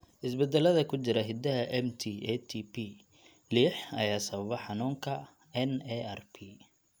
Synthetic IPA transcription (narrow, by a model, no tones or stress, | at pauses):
ʔɪsbɛd̪ɛlɐðɐkʰʊt͡ʃɪɾɐɦɪd̪ɐɦɐʔɛmt̪ʰiːɛt̪ʰipʰi | liːħɐjaːsɐβɐβɐħɑnuːŋkʰɐ | ɛnɛɛrpʰi